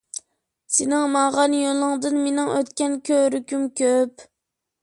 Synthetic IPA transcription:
senɪŋmɑʁɑnjolˠɨŋd̪ɨnmenɪŋøt̪kʲɛnkʲʰøɾykʲymkʲʰøp

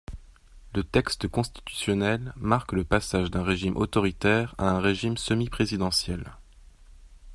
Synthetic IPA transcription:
lət̪ɛkst̪əkɔ̃st̪i̥t̪y̥sjɔnɛlmaʁkləpasaʒd̪ɛ̃ʁeʒimʔo̰t̪ɔʁit̪ɛʁa̰ɛ̃ʁeʒimsəmipχezid̪ɑ̃sjɛl

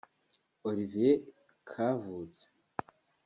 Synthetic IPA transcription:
oɾive | kʰavuːt͡se̥

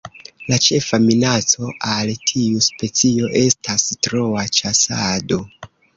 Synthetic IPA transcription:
lat͡ʃe̞faminat͡so̞ʔaltʰiuspe̞t͡sio̞ʔe̞stastɾo̞at͡ʃasado̞

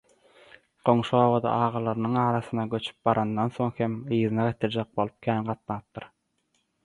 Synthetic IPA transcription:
ɢ̥o̞ŋʃoːβɑd̪ɑ̰ʔɑːʁɑlˠɑɾɯnɯŋɑːɾɑθɯnɑɡø̞t͡ʃʰy̥p̚bɑɾʔɑnd̪ɑnso̞ŋhemɯːðɯnɑʁit̪ʰɯɾd͡ʒɑq̚bo̞lˠup̚kʲʰæːnʁɑt̪nɑɯp̚t̪ɯɾ

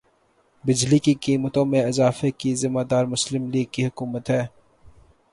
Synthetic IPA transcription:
bɪd͡ʒlikikiːmət̪õmẽɪzaːfekizɪmaːd̪aːɾmʊslɪmliːɡ̚kiɦʊkuːmət̪ɦɛː

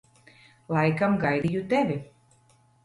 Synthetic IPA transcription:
lˠɑjkamɡajd̪ijut̪ævʲi

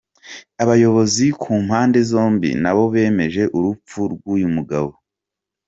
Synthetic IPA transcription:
aβajo̞βo̞zikʰuːmhaːnde̞zo̞ːmbḭnaβo̞βe̞ːme̞ʒe̞ʔuɾup͡fuɾɡwuːjumuɡaβo

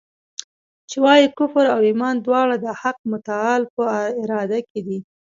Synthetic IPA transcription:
t͡ʃewɑjikʊfəɾawɪmɑnd̪wɑɽad̪əhaq̚mʊt̪aɑlpəɪɾɑd̪aked̪i

